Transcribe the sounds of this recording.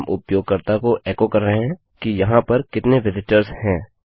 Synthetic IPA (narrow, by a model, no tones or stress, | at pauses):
mʔʊpjoːɡ̚kɐɾt̪akoʔɛːkokɐɾːɐɦeɦɛ̃ | kijɐɦãpɐɾkɪt̪neʋɪzɪʈəɾzhɛ̃ː